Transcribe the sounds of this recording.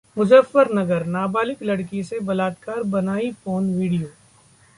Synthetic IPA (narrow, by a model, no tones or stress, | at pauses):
mʊzəfːəɾnɐɡəɾnaːbaːlɪklɐɽkisebɐlaːt̪kaːɾbɐnaːifoːnʋiːɽijoː